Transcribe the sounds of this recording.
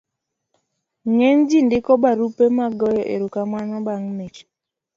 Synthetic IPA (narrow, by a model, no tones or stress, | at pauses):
ŋɛnd͡ʒindɪkɔbaɾupemaɡɔjɔʔḛɾukamanɔbaŋmet͡ʃ